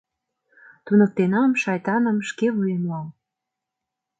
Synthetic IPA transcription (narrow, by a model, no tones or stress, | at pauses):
t̪unɤk̚t̪enɑmʃɑjt̪ɑnə̆mʃkeβujenɑl